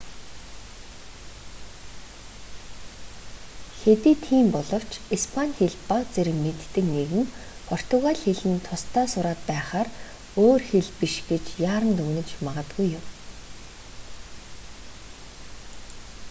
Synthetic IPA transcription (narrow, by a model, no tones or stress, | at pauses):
xet̪iːt̪ʰiːmpɔɮɞ̆w̥t͡ɕispʰanʲxeɮpat͡seɾɘ̆mmːet̪ːɘ̆kneɣɘ̆ŋpʰɔr̥t̪ʰʊɣaɮxeɮɘ̆nt̪ʰʊst̪ʰaːsʊɾaːt̪̚pæːχaːr | oːrxeɮpiʃɡet͡ɕjaːɾə̆nt̪ɵɣnɘ̆t͡ɕmaʁə̆t̪ɡujːʊm